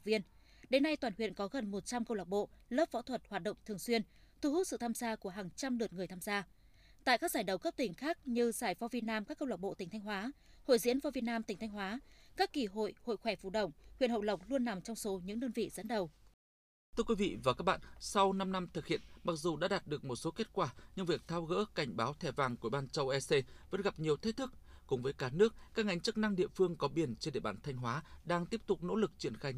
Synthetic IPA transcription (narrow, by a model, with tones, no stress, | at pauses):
vi˧ən | ɗe˨˦nːa˧jt̪waː˨˩nhwḭ˧˨ənkɔ˨˦ɣə˨˩nmo˨˩t̚t͡ɕa˧mkə˧wlaː˨˩k͡p̚ɓo̰˧˨ləː˦˥p̚vɔ̰˧˥t̪ʰwə˨˩t̚hwaː˨˩t̚ɗə̰˧˨wŋ͡mt̪ʰɨ˨˩əŋswi˧ən | t̪ʰu˧hu˦˥t̚sɨ̰˧˨t̪ʰaː˧mzaː˧ku˧˩əɦaː˨˩ŋt͡ɕa˧mlɨ˨˩ət̚ŋɨ˨˩əjt̪ʰaː˧mzaː˧ | t̪a̰ː˧˨jkaː˦˥k̚zaː˧˩jɗə˨˩wkə˦˥p̚t̪ï˧˩ŋ̟xaː˦˥k̚ɲɨ˧zaː˧˩jvɔ˧vi˨˩ət̚naː˧mkaː˦˥kːə˧wla˨˩ɓo̰˧˨ï˨˩ŋ̟t̪ʰa˧jŋ̟ɦwaː˨˦ | ho̰˧˨jzḭ˧˥ənvɔː˧vi˨˩ət̚naː˧mt̪ï˨˩ŋ̟t̪ʰŋ̟ɦwaː˨˦kaː˦˥kːi˧˩ɦo̰˧˨jho̰˧˨jxwɛ˧˩vṵ˧˩ɗə̰˧˩wŋ͡mhḭ˧˨ənhə̰˧˨wlə˨˩wk͡p̚lu˧ənːa˨˩mt͡ɕɔ˧wŋ͡mso˨˦ɲɨ̰˧˥ŋɗəː˧nvḭ˧˨zə̰˧˥nɗə˨˩w | t̪ʰɨ˧əkwi˨˦vḭ˧˨vaː˨˩kaː˦˥k̚ɓa̰ː˧˨nsa˧wna˧mna˧mt̪ʰɨ˨˩k̚hḭ˧˨ənma˨˩k̚zu˨˩ɗa̰ː˧˥ɗaː˨˩t̚ɗɨ˨˩ək̚mo˨˩t̚so˨˦ke˦˥t̚kwaː˧˩ɲɨ˧ŋvi˨˩ək̚t̪ʰaː˧wɣə̰ː˧˥ka˨˩jŋ̟ɓaː˨˦wt̪ʰɛ˧˩vaː˨˩ŋku˧˩˨ɓaː˧nt͡ɕə˧wʔɛ˧se˧və̰˧˥nɣa˨˩p̚ɲi˨˩əwt̪ʰe˦˥t̚t̪ʰɨ˦˥k̚ | kʊ̰˧˥ŋ͡mvəː˨˦jkaː˧nɨ˦˥ək̚kaː˦˥k̚ʔa˨˦ŋ̟t͡ɕɨ˦˥k̚na˧ŋɗḭ˧˨əfɨ˧əŋkɔ˨˦ɓi˧˩ənt͡ɕe˧nɗḛ˧˨ɓaː˧˩nt̪ʰa˧jŋ̟ɦwaː˨˦ɗaː˧ŋt̪i˦˥əp̚t̪ʊ˨˩k͡p̚no̰˧˥lɨ˨˩k̚t͡ɕi˧˩ənxaː˧j